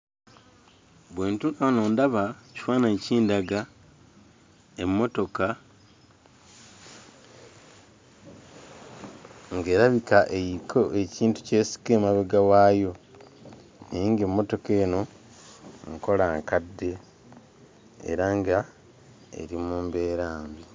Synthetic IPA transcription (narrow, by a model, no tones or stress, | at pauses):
βweːntukanoːndaβaci̥faːnaciːndaɡa | emːo̞to̞ka | ŋɡe̞ːɾaβikaʔejikʰoeciːntu̥ce̞ːsi̥ke̞ːmaβeɡawaːjo̞ | neiːŋɡemːo̞to̞ke̞ːno̞ | ŋko̞laŋkadːe̞ | ɾaŋɡa | ḛɾimuːmbe̞ːɾaːmbi